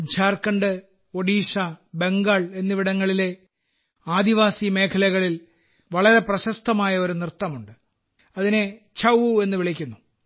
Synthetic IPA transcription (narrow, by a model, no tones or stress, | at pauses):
d͡ʑʱaːrkːɐɳɖɨ | oɽiːʂɐbe̞ŋɡaːɭe̞nːɨʋiɽɐŋːɐɭile̞ | aːd̪iʋaːsime̞ːkʰɐlɐɣɐɭil | ʋɐɭɐɾe̞prɐɕɐst̪ʰɐmaːjɐo̞ɾunirt̪ːɐmuɳɖɨ | ɐðine̞ | t͡ɕʰɐwue̞nːɨʋiɭikʲːunːu